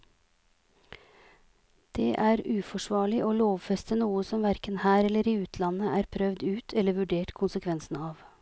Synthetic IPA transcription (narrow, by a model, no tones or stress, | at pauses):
d̪̥eːʔæːɾʉːfɔʂʋɑːɭɪʔoːloːʋfɛst̪ənuːəsɔmʋæɾkənhæːɾɛləɾiːʉːt̪ʰlɑnəʔæːɾpʰɾœʋd̪ʉːt̪ʰɛlːəʋʉɖeːʈkʰʊnsəkʰʋɛnsn̩ɑːʋ